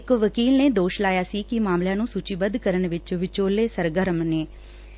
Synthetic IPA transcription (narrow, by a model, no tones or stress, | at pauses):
ɪkʋəkiːlneːd̪oːʃlaːjaːsiːkɪmaːmljãːnũːsut͡ʃiːbəd̪kəɾəɳʋɪt͡ʃʋɪt͡ʃoːleːsəɾɡəɾəmneː